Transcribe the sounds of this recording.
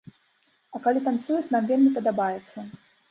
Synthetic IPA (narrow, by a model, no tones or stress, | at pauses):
ɐkalʲit̪ansʲujɛt̪namvʲelʲmʲipɐd̪abajɛt̪sːɐ